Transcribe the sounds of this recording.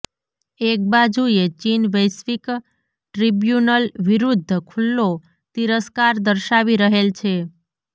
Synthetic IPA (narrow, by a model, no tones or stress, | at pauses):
ek̚bad͡ʒuet͡ʃinʋəjsʋik | ʈɾibjunəlʋiɾud̪ʱːəkʰulːo | t̪iɾəskaɾd̪əɾʃaʋiɾəɦelt͡ʃʰe